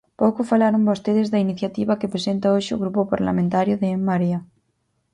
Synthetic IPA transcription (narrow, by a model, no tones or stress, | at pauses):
powkofalaɾombost̪eð̞ezðainiθjat̪iβakepɾesent̪aoʃeo̰ɣɾupopaɾla̰mẽnt̪aɾjʊðeemːaɾia